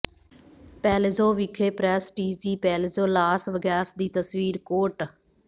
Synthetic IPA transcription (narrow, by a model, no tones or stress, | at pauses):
pɛːlezoːʋɪkʰeːpɾɛːsʈiːsiːpɛːlezoːlaːsʋəɡɛːsd̪iːt̪əsʋiːɾkoːʈ